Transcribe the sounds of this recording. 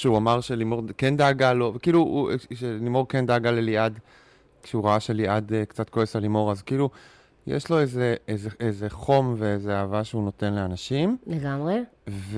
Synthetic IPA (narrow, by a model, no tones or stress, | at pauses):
ʃeuamaʁʃelimo̞ʁkendaːɡalo̞vekiːluʃelimo̞ʁkendaːɡaleliad | ʃeuʁaaʃeliadekt͡sat̪̚koesalimo̞ʁazkiilu | jḛʃlo̞ezeezeʔezeχo̞mveezeaːvaʃeuno̞tenleanaʃimleɡamʁe | v